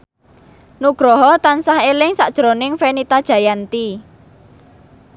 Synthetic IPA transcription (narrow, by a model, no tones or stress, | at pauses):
nuɡ̥ɾɔɦɔt̪ansahelɪŋsaʔd̥ʒ̥ɾonɪŋfenit̪ad̥ʒ̥a̤jant̪i